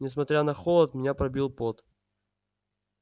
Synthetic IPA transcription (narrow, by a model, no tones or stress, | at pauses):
nʲɪs̬mɐt̪ʲɾʲanɐxolˠət̪mʲɪnʲapɾɐbʲilˠpot̪